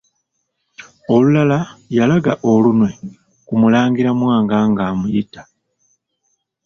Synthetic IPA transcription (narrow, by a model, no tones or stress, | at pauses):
o̞lulalajalaɡaʔo̞lunwe̞ | kumulaːŋɡiɾamwaːŋɡaŋɡaːmujitḁ